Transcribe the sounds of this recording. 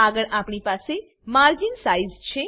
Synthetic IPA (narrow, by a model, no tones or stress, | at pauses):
aɡəɭʔapɳ̃ipase | maɾd͡ʒinsaizt͡ʃʰe